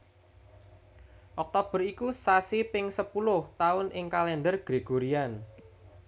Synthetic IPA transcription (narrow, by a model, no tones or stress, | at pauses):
ʔɔk̚t̪ob̥ə̤rikusasipɪŋsəpulʊht̪aʊnʔɪŋkalɛnd̪ərɡ̥ɾeɡ̥oɾian